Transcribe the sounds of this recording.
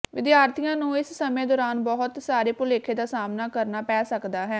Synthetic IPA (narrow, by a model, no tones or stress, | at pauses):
ʋɪd̪jaːɾt̪ʰijãːnũːɪssəmẽːd̪ɔːɾaːnbɔɦʊt̪saːɾeːpʊleːkʰeːd̪aːsaːmnaːkəɾnaːpɛːsəkd̪aːɦɛː